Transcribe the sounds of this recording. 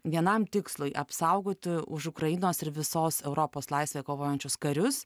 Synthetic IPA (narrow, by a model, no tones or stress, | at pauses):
ʋʲiɛnɐmt̪ʲɪkslˠʊɪʔɐpsɐʊɡoːt̪ʲɪʊʃʊkɾɐjɪnoːsɪɾʋʲɪsoːsɛʊɾoːpoːslˠɐɪsʲʋʲeːkoːʋoːjɛnʲt͡ʃʲʊskɐɾʲʊs